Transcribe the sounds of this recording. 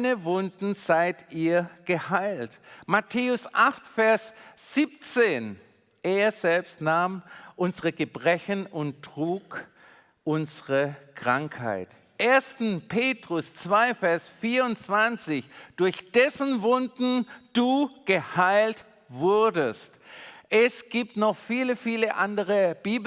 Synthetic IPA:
nəvʊndn̩z̥aɪtiːɐɡ̥əhaɪltmatʰeːʊsʔaχtfɛɐsz̥iːp̚t͡seːn | ʔeːɐzɛlpstnaːmʔʊnzəʁəɡəbʁɛçənʊntʁ̥uːk | ʔʊnzəʁəkʁ̥aŋkha̰ɪt | ʔeːɐstn̩pʰeːtʁ̥ʊst͡sv̥aɪfɛɐsfiːɐʊnt͡sv̥ant͡sɪçd̥ʊɐçd̥ɛsn̩vʊndn̩d̥uːɡ̥əhaɪlt | v̥ʊɐdəstʔɛsɡ̥iːptnɔχfiːləfiːləʔa̰ndəʁəb̥iːb

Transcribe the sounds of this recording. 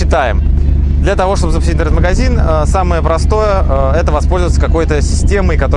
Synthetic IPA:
ɪt̪ajɪ̰m | d̪lʲat̪ɐvo̞ʂt̪o̞bɨzəpʊ̥sʲit̚ʲnɾeət̪məɡɐzʲinəsaməjəpɾɐst̪o̞jəə | ɛt̪əvɐspo̞lʲzəvət̪səkɐko̞jt̪əsʲɪsʲtʲemɨkɐt̪o

